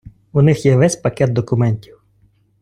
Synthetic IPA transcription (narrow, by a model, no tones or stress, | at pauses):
ʊnɪxjɛʋɛsʲpɐkɛd̪̚d̪ɔkʊmɛnʲtʲiw